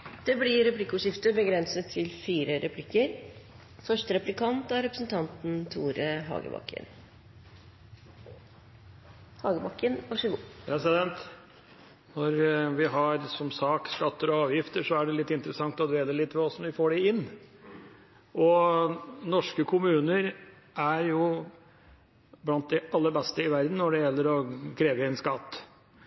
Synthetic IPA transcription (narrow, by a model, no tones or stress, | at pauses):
d̪̥ɛblɪɾɛpʰlɪkːʊːʂɪft̪əbəɡɾɛnsət̪ʰːɪlfiːɾəɾʔɛpʰlɪkːəɾ | fœʂʈəɾɛplɪkʰɑnt̪ɑɾɛpɾəsnt̪ʰɑnt̪n̩t̪ʰuːɾəɦɑ̰ːɡə̰bɑ̰kʰːə̰n | hɑːɡəbɑkːənɑʂɪɡuːpɾɛsɪd̪ɛnt̪ | nɔɾʋɪɦɑɾsɔmsɑːkskɑt̪ːəɾɔɑːʋjɪft̪əʂɔæɖɛlɪt̪ːɪnt̪əɾəsɑŋt̪ɔd̪ʋeːd̪əlɪt̪ːʋɛɔsɔʋɪfoːɖɛɪnː | ʔɔ | nɔʂkəkʰʊmʉːnəɾ | ʔæɾjʊ | blɑnt̪̚d̪ɛʔɑlːəɾbɛst̪əɪʋæɾd̪n̩ːɔɖɛjɛlːəɾɔkʰɾeːʋəɛɪnskɑt̪ː